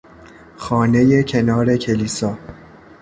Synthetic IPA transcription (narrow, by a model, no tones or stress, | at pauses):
xɒːne̞je̞cʰe̞nɒːɾe̞cʰeliːsɒː